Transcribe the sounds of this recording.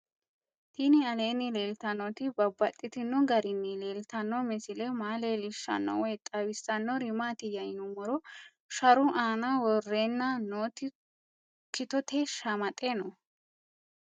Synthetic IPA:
t̪iːnɪɐle̞ːnːɪleːlt̪ɐnːɔt̪ɪbɐbːɐt̪ʼːɪt̪ɪnːʊɡɐɾɪnːɪleːlt̪ɐnːɔmɛsɪlɛmaːleːlɪʃːɐ̰nːɔ̰wɛjt̪ʼɐwɪsːɐnːɔɾɪmaːt̪ɪjɐjnʊmɔɾɔ | ʃɐɾʊʔaːnɐwɔrːeːnːɐnoːt̪ɪ | kɪt̪ɔt̪eʃɐmɐt̪ʼːeːnɔ

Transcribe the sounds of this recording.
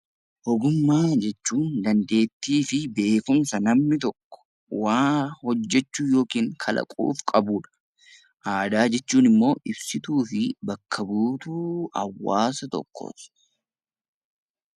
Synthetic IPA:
ʔɔɡʊmːaːd͡ʒɛt͡ʃːuːnd̪ɐnd̪e̞ːt̪ːiːfɪbe̞ːkʊmsɐnɐmnɪt̪̬ɔkːɔ̥ | waːhɔd͡ʒːɛt͡ʃːuːjo̞ːkiːŋkʰɐlɐ̰kʼṵːfkʼɐbuːᶑɐ̥ | ʔaːd̪aːd͡ʒɛt͡ʃːuːnɪmːo̞ːʔɪbsɪt̪uːfɪbɐkʰːɐbuːt̪uːɐ̰wːaːsɐt̪ɔ̰kʰːo̰ːt̪ɪ̥

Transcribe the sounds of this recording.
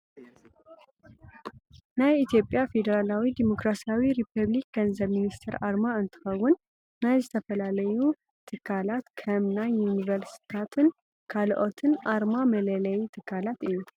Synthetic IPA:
najit̪ʰjo̞pʼjafe̞d̪əɾalawid̪imo̞kɾasiawiɾipʰəβlik̚ɡənzəβminist̪ʰɛɾʔaɾmaɨnt̪ʰɨ̥xəwːʊn | najzət̪ʰəfəlalɐju | t̪ʰɨkʰːalat̪kʰɐmnajunivəɾsi̥t̪ʰat̪ʰɨn | kʰalʔo̞t̪ʰɨnʔaɾmamələlɐjt̪ʰɨkʰːalat̪ɨjːu

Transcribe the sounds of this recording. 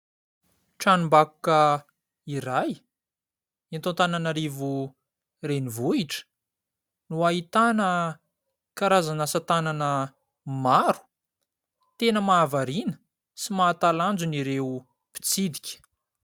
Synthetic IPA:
ʈ͡ʂanumbaku̥kə | iɾaj | int̪ont̪ananaɾivu | renivuiʈ͡ʂə̥ | nuaɦit̪anə | kaɾazanasat̪ananə | maɾu̥ | t̪enəmaːvaɾinə̥ | simaːt̪aland͡zuniɾeu | pi̥t͡sid̪ikʲə̥

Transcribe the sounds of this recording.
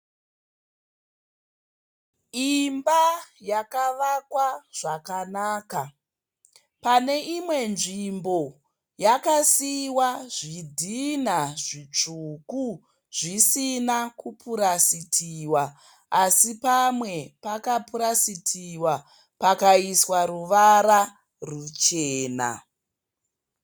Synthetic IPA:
imbajakaʋakwaʐ̥akanaːka | pane̞ʔimwe̞nʐimbo̞ | jakasiwaʐidʱinaʐit͡ʂuku | ʐ̥isinakupʰuɾasitʰiwaː | sipamwe̞pakapuɾasitʰiwa | pakaiswaɾuʋaɾa | rut͡ʃeːna̰

